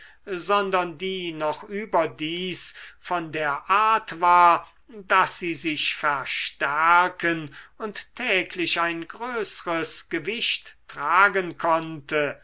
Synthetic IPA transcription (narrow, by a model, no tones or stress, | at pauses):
zɔndɐndiːnɔχʔyːbɐdiːsfɔndeːɐʔaɐtv̥aːɐ | dasz̥iːzɪʃfɛɐʃtæɐkʰənʊnttʰːɛːkʰlɪɕaɪnɡʁøːsəʁəsɡ̥əvɪʃtːʁ̥aːɡənkʰɔntə